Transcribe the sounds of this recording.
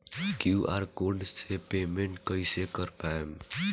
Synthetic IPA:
kjuʔaɾkoɳɖsepemeɳʈkəjsekəɾpaem

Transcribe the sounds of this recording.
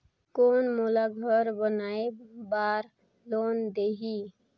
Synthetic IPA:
koːnmolaɡʱəɾbənaːebaːɾ | loːnd̪eːɦi

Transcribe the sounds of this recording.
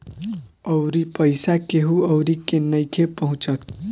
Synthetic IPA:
ʌwɾipʌjsakeɦũʌwɾikenːʌjkʰepʌɦũt͡sʌt̪̚ʰ

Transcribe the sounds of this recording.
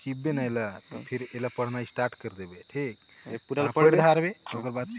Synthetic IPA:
kibenaelat̪ɔpʰiɾelapəɽ̤naisʈaɾʈkəɾd̪ebeʈʰik | apəɽd̪ʱaɾbeoɡəɾbat̪

